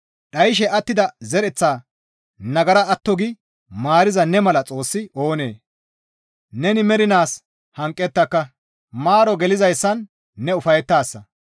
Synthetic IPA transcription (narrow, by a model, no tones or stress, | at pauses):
ɗɐjʃ̬ɛʔɐt̪ːɪd̪ɐzɛɾɛt͡sːaː | nɐɡɐɾɐɐt̪ːɔɡɪ | maːɾɪzɐnɛmɐlɐt͡sʼo̞ːsːɪoːne̞ː | nɛnɪmɛɾɪnaːs | hɐŋkʼːɛt̪ːɐkːɐ | maːɾɔɡɛlɪzɐjsːɐnː | ɛʊfɐjɛt̪ːaːsːɐ